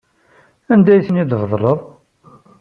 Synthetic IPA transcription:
ænd̪æjθənid̪əvðˤləðˤ

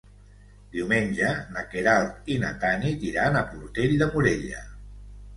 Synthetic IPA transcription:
d̪̥iwmenʲʒənakeɾalt̪ina̰t̪anit̪iɾanəpuɾt̪eʎd̪əmuɾeʎə̰

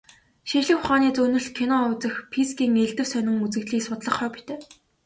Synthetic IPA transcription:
ʃiɮɘ̆kχʊχaːniːt͡sunɵ̆ɮɬkʰinɔʊt͡sə̆xpʰiskʲiːŋeɮt̪ɘ̆wsœnʲɪ̆ŋut͡sɘ̆kt̪ɮiːksʊt̪ɮə̆χœːpi̥t̪ʰeː

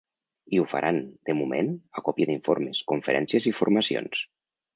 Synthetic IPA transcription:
iufa̰ɾʔand̪̥əmumḛnakɔpjəðiɱfoɾmeskuɱfəɾɛnsjəziɱfuɾmasio̰ns

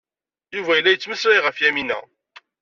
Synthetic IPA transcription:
juvæjəlːæjət͡sːməsɾijʁəfjæminæ̰

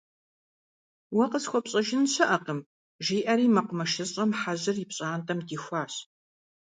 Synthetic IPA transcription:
wɐqəsxʷɔpɕʼɐʒɪnɕɐʔɐqəm | ʒiːʔɐɾiːmɐqʷʊmɐʃɨɕʼɐmħaʑɨrɪpɕʼaːntʰɐmdiːxʷɑːɕ

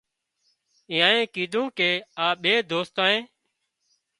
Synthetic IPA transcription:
ɪ̃ːãːẽːkiːd̪ʱũːkeːaːɓeːd̪oːst̪ãːẽː

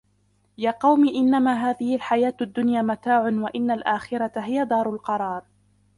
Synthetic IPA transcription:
jaːqɑwmiːʔɪnːamaːɦaːðɪhɪlħajaːt̪ad̪ːʊnjaːmat̪aːʕʊnwaʔɪnːalʔaːxɪɾˤat̪aɦɪjad̪ɑːɾˤʊlqɑɾˤɑːɾˤ

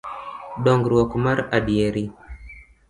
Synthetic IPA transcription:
ɗɔŋɡɾɔkumaɾaɗijeɾi

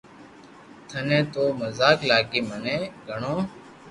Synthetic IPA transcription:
t̪ʰənẽːt̪oːməzaːklaːɠiːmənẽːɡʱəɳoː

